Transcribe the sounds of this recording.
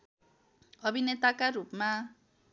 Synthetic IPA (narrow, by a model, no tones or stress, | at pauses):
ɔbinɛt̪akarupma